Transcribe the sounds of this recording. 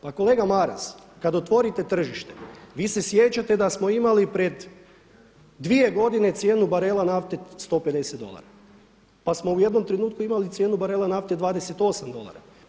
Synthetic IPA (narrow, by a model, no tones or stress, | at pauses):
pako̞le̞ːɡamaɾa̰s | kad̪ot̪ʋo̞ɾit̪e̞t̪r̩ʒiʃt̪e̞̥ʋiːse̞sje̞t͡ɕat̪e̞d̪asmo̞imalipɾed̪ | ʋie̞ɡo̞d̪ine̞t̪sje̞ːnubaɾe̞lˠanaft̪est̪o̞pe̞d̪eset̪d̪o̞̰lˠa̰ɾa | pasmo̞uje̞d̪no̞mt̪ɾenuːt̪kuimalit̪sje̞ːnubaɾe̞lˠanaft̪ed̪ʋaːd̪eset̪o̞samd̪o̞lˠa̰ɾa̰